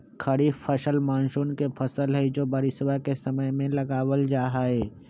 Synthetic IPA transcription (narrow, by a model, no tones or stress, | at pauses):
kʰɐɾipʰəʃəlmãːnʃuːnkepʰəsəlɦɛd͡ʒoːbɐɾɪsʋakesɐməjmẽlɐɡaːwəld͡ʒaːɦaɦɛː